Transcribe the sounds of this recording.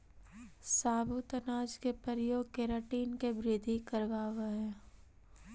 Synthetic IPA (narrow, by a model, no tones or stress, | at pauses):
saːbʱut̪ɐnaːd͡ʒkepəɾjoːɡ̚keɾəʈiːnkebɾɪd̪ʱikəɾʋaːʋeɦɛː